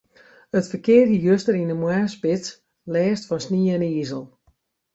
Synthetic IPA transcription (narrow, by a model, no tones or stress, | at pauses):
ətfəkɪːrjəjøstəɾinəmwɛːspɪt | lɛːstfɔnsniəɛniːzəlˠ